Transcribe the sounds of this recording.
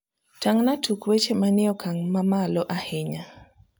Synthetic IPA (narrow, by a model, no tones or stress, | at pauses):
taŋnatukwet͡ʃemanɪɔkʰaŋmamalɔʔahɪɲa